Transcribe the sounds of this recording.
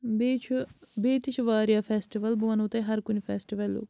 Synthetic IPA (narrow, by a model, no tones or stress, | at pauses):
bet͡ʃʰbeːt̪ɪt͡ʃʰʋaːɾjaːpʰɛːsʈiʋəlbuʋənot̪eːɦɐɾkʊnipʰɛːsʈiʋəlːo̰ː